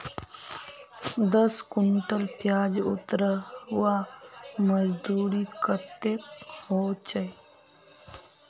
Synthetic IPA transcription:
d̪əskʊɳʈəlpjaːd͡ʒʊ̰t̪ɾəwaməzd̪uːɾikət̪ekhoːt͡ʃəj

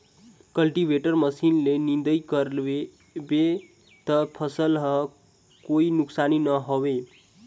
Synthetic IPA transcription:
kʌlʈibʱeʈʌrmʌsinlenind̪əjkʌɾbe | be | t̪ʌpʰʌsəlɦʌ | koinuksaninʌɦowe

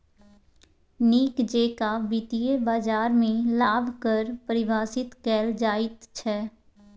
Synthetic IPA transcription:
niːkd͡ʒeːkabɪt̪ijebaːd͡ʒaːɾmẽlaːbʱkəɾpəɾɪʋaːsɪt̪kɛːld͡ʒaːɪt̪t͡ʃʰɛː

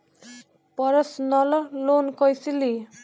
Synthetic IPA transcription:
pʌɾʌsnʌlʌlonkʌjsili

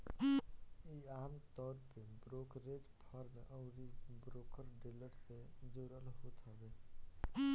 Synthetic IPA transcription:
iaːmt̪ɔːɾpebɾoːkɾeːʈpʰaɾmḛ̃ʔɔːɾibɾoːkəɾɖeləʈsed͡ʒoːɾəlɦoːt̪ʰod̪e

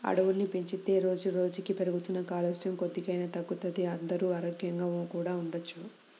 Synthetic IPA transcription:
ɐ̰ɽɐʋulnipeɲt͡ʃit̪e̞ːɾo̞ːd͡ʒuɾo̞ːd͡ʒukipe̞ɾuɡut̪unːɐkaːlɐsjɐmkod̪ːikɐjnɐt̪ɐɡːut̪ɐd̪iɐnd̪ɐɾuːɐɾoɡjɐŋɡaːɐkuːɽaːuɳɖɐt͡ʃːu

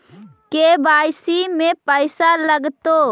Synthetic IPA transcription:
kebaːjsimepəjsaləɡt̪o

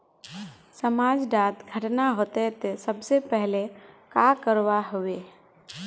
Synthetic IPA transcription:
səmad͡ʒɖat̪ɡʱəʈnaɦot̪et̪esəbsepɛɦlekakəɾwaɦoʋe

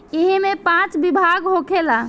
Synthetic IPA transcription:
iɦimepãt͡ʃbibʱaɡɦokʰela

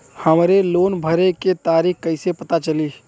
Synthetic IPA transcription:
həmɾeloːnbʱəɾeket̪aːɾiːkkəɪsepət̪at͡ʃəliː

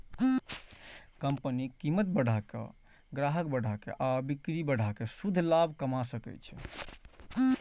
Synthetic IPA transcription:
kəmpənikimət̪̚bəɽ̤ʱakḛ | ɡɾaɦəkbəɽ̤ʱakḛʔabikɾibəɽ̤ʱakesud̪ʱːlabʱkəmasəkɛ̰t͡ʃʰɛ̰

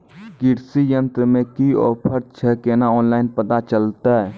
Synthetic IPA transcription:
ɡɪɾsijə̃nt̪ɾəmẽkiɔ̰ːɾpʰəɾt͡ʃʰɛkeːnaɔːnlaːɪnpət̪at͡ʃəlt̪aɦɛː

